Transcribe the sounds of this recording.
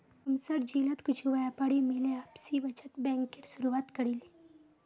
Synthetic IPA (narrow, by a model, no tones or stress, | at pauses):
ɐmsɐɾd͡ʒiːlət̪kʊt͡ʃʰuʋajapaɽimeleaːpsiʋɐt͡ʃət̪bɛ̃ːŋkːɪɾsʊɾuʋaːt̪kɐɾili